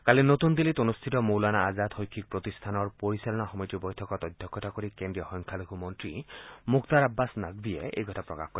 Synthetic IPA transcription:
kalinot̪und̪ilitonust̪ʰitɔmowlanaːzat̪hojkʰːik̚pɹot̪ist̪ʰanɔɹpoɹisalɔnaxɔmɔjtibɔjtʰɔkɔt̪ɔjd̪ʱjɔkʰːɔtakoɾikendɹiɔxɔŋkʰaluɡʱumɔntɹimukt̪aɹabːasnaɡb̪ieḛjɡʱɔtʰapɹɔ̰ka̰hkɔɾi

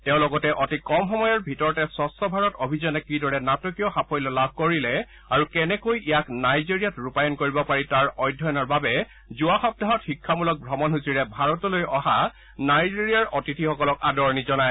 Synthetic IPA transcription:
tɛʊ̃lɔɡɔtɛʔɔtikɔmxɔmɔjɔɹbʱitɔɹɔtɛsɔstɔbʱaɹɔtobʱizɔnɛkidɔɹɛnatɔkijɔxapʰɔjlɔlab̚ʱkoɹilɛ | aɹukɛnɛkojʔijaknajziɹijatɹupajɔnkoɹibɔpaɹitaɹɔjdʱːɔjɔnɔɹbabɛ | zuaxɔb̚daɦɔtxikʰːamulɔk̚bʱɹɔmɔnɦusiɹɛbʱaɹɔtɔlojɔha | najziɹijaɹʔɔtitʰixɔkɔlɔkadɔɹnizɔnaj

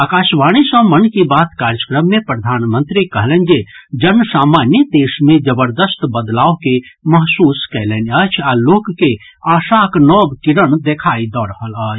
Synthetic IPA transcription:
akasʋaɽ̃isə̃mənkibat̪kaɾjəkɾəmːepɾəd̪ʱanmə̃nt̪ɾikəɦlɛnd͡ʒed͡ʒənːsaːmanjəd̪esmẽd͡ʒəbəɾd̪əst̪bəd̪laokeməɦsuskɛlɛnət͡ʃʰalokːe | aːsaknɔbkiɾənd̪ekʰaid̪ɔɾəɦələːt͡ʃʰ

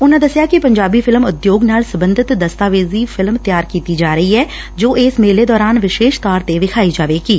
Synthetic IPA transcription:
ʊnãd̪əsjaːkipəɲd͡ʒaːbiːfʰɪlmʊd̪joːɡnaːlsəbə̃nd̪ʱɪt̪d̪əst̪aːʋeːziːfʰɪlmt̪jaːɾkiːt̪id͡ʒaːɾəɦiɛː | d͡ʒoːeːsmeːleːd̪ɔːɾaːnʋɪʃeːʃt̪aːɾt̪eʋɪkʰaːid͡ʒaːʋeːkiː

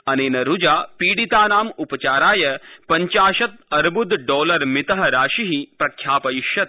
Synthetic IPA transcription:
ɐneːnɐɾud͡ʒaːpiːɽit̪aːnaːmupɐt͡ʃaːɾaːjɐpɐɲt͡ʃaːʃɐt̪̚ɐɾbud̪ɖɔːlɐɾmit̪ɐɦɐɾaːʃiɦipɾɐkʰjaːpɐjiʃjɐt̪̚

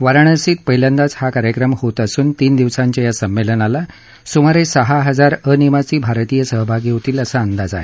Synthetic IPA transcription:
ʋəɾəɳ̃əsiːt̪̚pəɦiljand̪at͡shakaɾjəkɾəmhot̪əsuːnt̪iːnd̪iʋsaɲt͡ɕjajasəmːelənala | sumaɾesəɦaɦəd͡zaɾənimat͡siːbʱaɾt̪ijəsəɦbʱaɡiɦot̪iːləsaːnd̪ad͡za̰ɦḛ

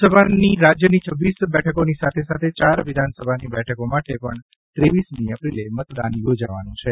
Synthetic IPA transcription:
səbʱaniɾad͡ʒjənit͡ʃʰəʋːisbɛʈʰəkonisat̪ʰesat̪ʰet͡ʃaɾʋɪd̪ʱansəbʱanibɛʈʰəkomaʈepəɳ | t̪ɾeʋismiəpɾilemət̪d̪a̰njod͡ʒaʋa̰nũt͡ʃʰe

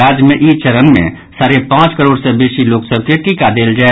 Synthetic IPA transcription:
aːd͡ʒjəmẽʔiːt͡ʃəɾənmḛ̃ | saːɾepãːt͡ʃkəɾoːɽsɛ̃beːʃiloːksəb̚keʈʰiːkad̪eːld͡ʒaːe

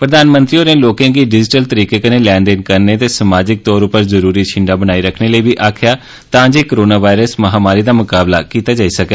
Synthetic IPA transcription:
pɾəd̪aːnmə̃nt̪ɾiːoːɾẽːloːkãːɡiːɖɪd͡ʒɪʈəlt̪əɾiːkeːkəneːlɛːɳɖɪnkəɾneːt̪eːsəmaːd͡ʒɪk̚t̪ɔːɾʊpəɾzəɾuːɾiːt͡ʃʰɪ̃ɳɖaːbənaːiːɾəkʰneːləiːbiːʔaːkʰjaː | t̪ãːd͡ʒeːkːɾoːnaːʋaːɪɾəsməɦaːmaːɾiːd̪aːmʊkaːblaːkiːt̪aːd͡ʒaːiːsəkɛ

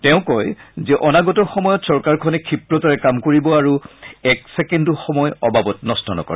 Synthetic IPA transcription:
tɛʊ̃kɔjzɛʔɔnaɡɔtɔxɔmɔjɔtsɔɹkaɹkʰɔnɛkʰipɹɔtaɹɛkamkoɹibɔaɹuɛksɛkɛndɔxɔmɔjɔbabɔtnɔstʰɔnɔ̰kɔ̰ɹɛ

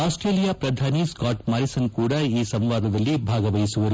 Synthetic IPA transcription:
aːsʈɾeːlijaːpɾɐd̪ʱaːniskaːʈmɐɾisɐnkuːɽɐiːsɐmʋaːd̪ɐd̪ɐlːibʱaːɡɐʋɐjisuʋɐɾu

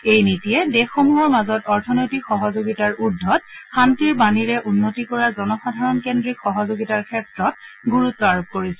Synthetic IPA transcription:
ejnitijɛdexomuɦɔɹmazɔtɔɹtʰɔnojtikxɔɦɔzoɡitaɹudʱːɔt̚xantiɹbaniɹɛʔunːotikɔɹazɔnɔxadʱaɹɔnkendɹikxɔɦɔzoɡitaɹkʰɛtɹɔt̚ɡuɹutːɔaɹop̚koɹisɛ

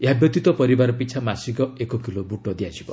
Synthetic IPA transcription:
jabjɔt̪it̪ɔpɔɾibaɾɔpit͡ʃʰamasikɔekɔkilobuʈɔd̪iad͡ʒʱibɔ

